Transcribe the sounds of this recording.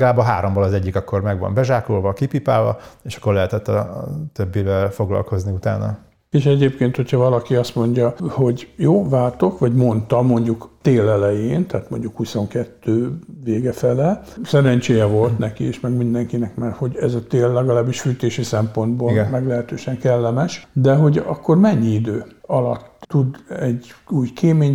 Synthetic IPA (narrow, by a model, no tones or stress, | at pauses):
ɡlaːbɒɦaːɾombolɒzɛɟːikɒkːo̞rmɛɡʋɒ̰mbɛʒaːkloːlvɒkipipaːlvɒ̰eːʃɒ̥kːorlɛɦɛt̪ɛt̪ːɒt̪øbːivɛlfo̞ɡlɒ̰lko̞zniut̪aːnɒ̰ | eʃɛɟeːpkeːnt̪ho̞cʰhɒvɒlɒkiɒst̪mo̞ɲɟɒho̞ɟjoːvaːlt̪o̞kʋɒɟmo̞nt̪ɒmo̞ɲɟukt̪eːlɛlɛjeːnt̪aːt̪mo̞ɲɟukhuso̞ŋkɛt̪ːøːveːɡɛfɛlɛ | sɛɾɛnt͡ʃeːjɛvo̞lt̪nɛkieʃmɛɡmind̪ɛŋkinɛkmɛrho̞ɟɛzɒt̪eːlːɛɡɒlaːbːiʃfyt̪eːʃisɛmpo̞nd̪boːlmɛɡlɛɦɛt̪øːʃɛŋkɛlːɛmɛʃd̪ɛɦo̞ɟɒkːo̞rmɛɲːiid̪øːɒlɒt̪ːud̪ɛɟuːjkʰeːmeːɲ